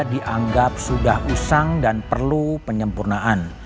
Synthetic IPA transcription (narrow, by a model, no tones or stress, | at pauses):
diʔaŋɡap̚sudahusaŋdanpərlupəɲəmpurnaʔan